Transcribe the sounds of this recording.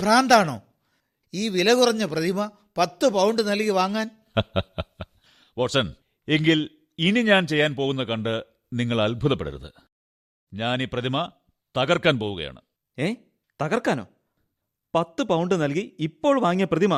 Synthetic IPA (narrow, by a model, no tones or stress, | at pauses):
praːnd̪aːɳo̰ː | iːʋilɐɣurɐɲːɐprɐðimɐ | pɐt̪ːɨpɐwɳɖɨnɐlkiʋaːŋːaːn | ʋɐʈʂɐn | e̞ŋɡil | iniɲaːnt͡ɕe̞jːaːnpoːɣunːɐkɐɳɖɨ | niŋːɐɭɐlbʱuðɐpːeɽɐ̰ɾɐ̰ðɨ̰ | ɲaːniːprɐðimɐ | t̪ɐɣɐrkaːnpoːɣuɣɐ̰ja̰ːɳɨ̰ | eː | t̪ɐɣɐrkːaːno̞̰ː | pɐt̪ːɨpɐwɳɖɨnɐlkiipːo̞ːɭʋaːŋjɐprɐðimɐ